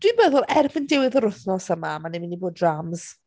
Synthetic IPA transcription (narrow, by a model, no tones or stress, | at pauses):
d̥wibəðʊlˠɛrvəndɪwɪðɔɾʊθnɔsəmamanɛmɪniboːdramz̥